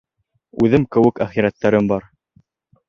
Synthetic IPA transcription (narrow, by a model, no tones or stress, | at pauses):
ʉðɘmkɘ̆wɘkæχiɾæt̪ːæɾɘmbɑɾ